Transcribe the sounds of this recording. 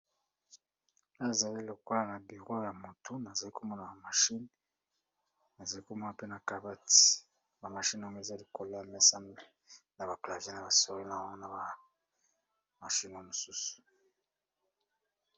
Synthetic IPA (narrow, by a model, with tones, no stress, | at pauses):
a˨za˨li˦lo˨ko˦la˨na˨bi˨ʁo˦ja˨mo˨tu˦na˨za˨li˦ko˦mɔ˦na˨ba˨ma˨ʃi˦n | na˨za˨li˦ko˦mɔ˦na˨pe˦na˨ka˨ba˦ti̥˨ | ba˨ma˨ʃi˦n˨o˦ŋɡe˦˨za˦li˦ko˨lo˦a˨mɛ˦sa˦me˦ | na˨ba˨kla˨vje˦na˨ba˨so˦i˦na˦˨wa˦na˨ba˨ | ma˨ʃi˦no˦mu˨su˦su̥˨